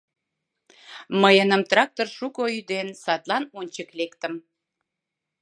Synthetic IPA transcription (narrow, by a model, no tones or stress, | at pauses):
məjənəmt̪rɑk̚t̪orʃukoyd̪ensɑt̪lɑnonʲt͡ɕəklekt̪əm